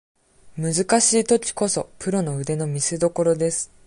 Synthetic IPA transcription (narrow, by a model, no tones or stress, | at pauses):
mɯ̟zɨkaɕiːt̪o̞kʲi̥ko̞so̞̰pɯ̟ɾo̞no̞ɯ̟d̪e̞no̞mʲisɨd̪o̞ko̞ɾo̞d̪e̞sɨ̥